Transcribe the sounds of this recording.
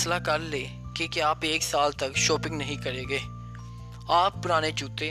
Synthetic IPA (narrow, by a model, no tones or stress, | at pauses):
slakəɾleː | keːkeaːpeːksaːlt̪əkʃoːpɪ̃ŋɡnəɦĩkəɾeːɡeː | aːpːʊɾaːñet͡ʃuːt̪eː